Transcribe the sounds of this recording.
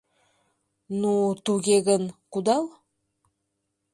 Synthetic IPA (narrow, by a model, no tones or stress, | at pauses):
nut̪uɡʲeɡɘnqud̪ɑlˠ